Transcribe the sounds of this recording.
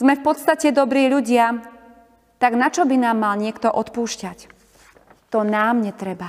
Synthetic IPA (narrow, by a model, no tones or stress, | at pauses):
z̥mɛfpɔt̪st̪acɛd̪ɔbɾiːʎuɟɪa | t̪aɡnat͡ʃɔbinaːmːalɲɪɛkt̪ɔʔɔt̪puːʃcac | t̪ɔnaːmɲɛt̪ɾɛba